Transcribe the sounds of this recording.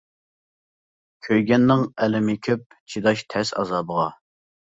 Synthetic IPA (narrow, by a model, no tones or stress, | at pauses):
kʲʰøjɡʲɛnːɪŋɛlɪmɪkʲʰøp̚t͡ʃʰid̪ɑʃt̪ʰɛsɑ̰zɑbəʁɑ